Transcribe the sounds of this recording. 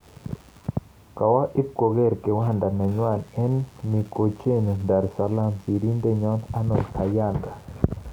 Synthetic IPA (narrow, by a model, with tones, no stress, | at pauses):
ka˨wa˦ʔi˦b̚ko˨ɡɛ˦˨ɾkɛ˨wa˦nda˨na˨ɲwa˦˨nɛ˦nmi˨ko˨t͡ʃe˦nu˨nda˨ɾsa˨la˦msi˨ɾi˦ndɛ˦ɲɔ˦na˦nɔ˨nkʰa˨ja˦nda˨